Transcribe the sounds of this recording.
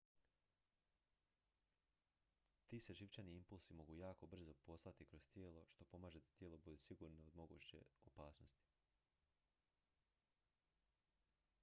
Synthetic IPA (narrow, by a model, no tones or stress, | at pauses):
t̪iːseʒiʋt͡ʃaniimpulˠsimo̞ɡujaːko̞br̩zo̞po̞slˠat̪ikɾo̞st̪jeːlˠo̞ʃt̪o̞po̞maːʒe̞d̪at̪jeːlˠo̞bud̪esiɡuːɾnood̪mo̞ɡṵːt͡ɕe̞̰opaːsnost̪i̥